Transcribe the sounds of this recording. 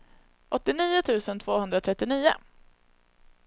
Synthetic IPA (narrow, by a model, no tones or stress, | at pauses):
ʔɔt̪ːɪniːʊt̪ʰʉ̟ːsənt̪ʰv̥oːhɵnd̪ɾat̪ʰɾɛt̪ːɪniːʊ̰